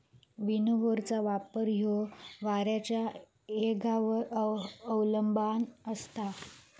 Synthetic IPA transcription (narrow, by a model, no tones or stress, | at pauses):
ʋinuʋoɾt͡saʋapəɾɦjoʋaɾjat͡ɕja | eɡaʋ | əwləmbanəst̪a